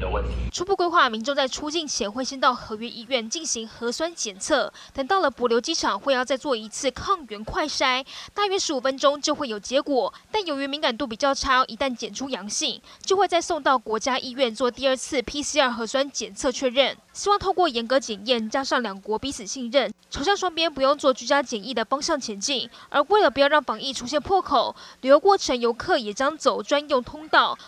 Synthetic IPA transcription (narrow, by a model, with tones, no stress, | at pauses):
ə˧wə˥˨˩nt̪ʰi˨˦ʈ͡ʂʰu˥pu˥˩kwe˥ɪxwa˥˩mi˧˥ŋʈ͡ʂŋt͡sa˥˩ɪʈ͡ʂʰu˥t͡ɕi˥˩nt͡ɕʰjɛ˧˥nxwe˥˩ɕi˥˧nt̪ɑ˥˩ʊxɤ˧˥ɥɛ˥ʔi˥ɥɛ˥˩nt͡ɕi˥˩nɕi˧˥ŋxɤ˧˥swa˥nt͡ɕjɛ˨˩nt͡sʰɤ˥˩ | t̪ə˨˩ŋt̪ɑ˥˩ʊlə˩pwɔ˧˥ljo˧˥ʊt͡ɕi˥ʈ͡ʂʰɑ˨˩ŋxwe˥˧ɪjɑ˥˧ʊt͡sa˥˧ɪt͡swɔ˥˩i˧˥t͡sʰɹ̩˥˧kʰɑ˥˩ŋɥɛ˧˥nkʰwa˥˩ɪʂa˥ɪt̪a˥˧ɥɛ˥ʂɻ̩˧˥u˨˩fə˥nʈ͡ʂo˥ŋt͡ɕjo˥˧ʊxe˥˩jo˨˩ʊt͡ɕjɛ˧˥kwɔ˨˩˦t̪a˥˩njo˨˩ʊɥɛ˧˥mi˧˥ŋka˨˩nt̪u˥˩pi˨˩t͡ɕjɑ˥˩ʊʈ͡ʂʰa˥ʔi˧˥t̪a˥˩nt͡ɕjɛ˨˩nʈ͡ʂʰu˥jɑ˧˥ŋɕi˥˩ŋt͡ɕjo˥˧ʊxwe˥˧ɪt͡sa˥˧ɪso˥˧ŋt̪ɑ˥˩ʊkwɔ˧˥t͡ɕja˥ʔi˥ɥɛ˥˧nt͡swɔ˥˧t̪i˥˧ə˞˥˧t͡sʰɹ̩˥˩pʰi˥si˥ə˞˥˩xɤ˧˥swa˥nt͡ɕjɛ˨˩nt͡sʰɤ˥˧t͡ɕʰɥɛ˥˧ɻə˥˩n | ɕi˥wɑ˥˧ŋt̪ʰo˥˧kwɔ˥˩jɛ˧˥nkɤ˧˥t͡ɕjɛ˨˩njɛ˥˩nt͡ɕja˥ʂɑ˥˩ŋljɑ˨˩ŋkwɔ˧˥pi˧˥sʰɹ̩˨˩ɕi˥˧ŋɻə˥˩nʈ͡ʂʰo˧˥ʊɕjɑ˥˩ŋʂwɑ˥ŋpjɛ˥npu˧˥jʊ˥˧ŋt͡swɔ˥˩t͡ɕy˥˩t͡ɕja˥t͡ɕjɛ˨˩ni˥˩d̪ə˩fɑ˥ŋɕjɑ˥˩ŋt͡ɕʰjɛ˧˥nt͡ɕi˥˩ŋʔə˞˧˥we˥˩ɪlə˩p̬u˧˥jɑ˥˧ʊɻɑ˥˩ŋfɑ˧˥ŋi˥˩ʈ͡ʂʰu˥ɕ̬jɛ˥˧npʰwɔ˥˩kʰo˨˩˦ʊly˨jo˧˥ʊkwɔ˥˩ʈ͡ʂʰə˧˥ŋjo˧˥ʊkʰɤ˥˩jɛ˨˩t͡ɕjɑ˥ŋt͡so˨˩ʊʈ͡ʂwa˥njʊ˥˩ŋt̪ʰʊ˥ŋt̪ɑ˥˩ʊ